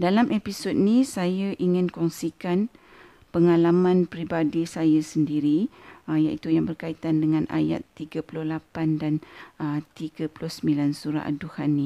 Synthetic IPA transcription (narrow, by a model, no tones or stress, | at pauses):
dalamʔepisot̪̚nĩsajaʔiŋɪ̃nkɔŋsikan | pəŋalamãnpɾibadisajasəndiɾija̰ʔit̪ujaŋbərkait̪andəŋãnʔa̰ja̰t̪ːiɡapulʊhlapandanət̪iɡapulʊhsəmilansuɾa̰ʔaduhanĩ